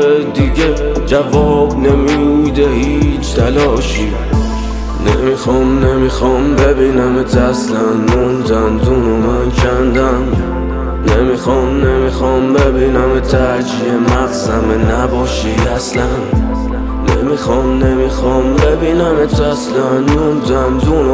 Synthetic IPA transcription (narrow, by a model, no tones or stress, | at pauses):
d̪iɡe | d͡ʒævɒːb̚nemiːbud̪ehiːt͡ʃʰt̪ʰælɒːʃi | nemixɒmnemixɒmbebiːnæmet̪ʰæslænmund̪ænzunomænkʰænd̪æn | nemixɒmnemixɒmbebiːnæmet̪ʰæ | d͡ʒiemæɣzæmenæbɒːʃiæslænː | emixɒmnemixɒmbebiːnæmet̪ʰæslænːunzæmzuno